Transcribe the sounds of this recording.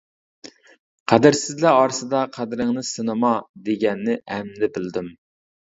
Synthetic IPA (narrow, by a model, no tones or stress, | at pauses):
qʰæd̪ɪɾsɪzlæɑɾsɨd̪ɑqʰæd̪ɾɪŋnɨsɨnɨmɑd̪eɡʲɛnːɪʔɛmnɪbɪld̪ɪm